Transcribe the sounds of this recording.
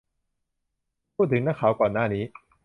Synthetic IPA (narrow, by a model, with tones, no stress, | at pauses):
u˥˩t̪ʰɯ˨˦ŋnaː˥˩kʰaː˨˩˦wkwaː˨˩naː˥˩niː˦˥